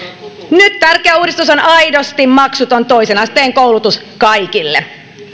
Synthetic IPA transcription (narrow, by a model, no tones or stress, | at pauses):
nyt̪t̪ærkeæuːdist̪usonɑjdost̪immɑksut̪o̞nt̪o̞isenɑst̪eːŋkowlut̪us | kɑjkilːe